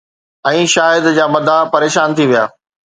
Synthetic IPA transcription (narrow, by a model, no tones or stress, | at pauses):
ɛ̃ːʃaːɪd̪d͡ʑaːmɐd̪ʱapɐɾeːʃaːnt̪ʰiʋija̰ː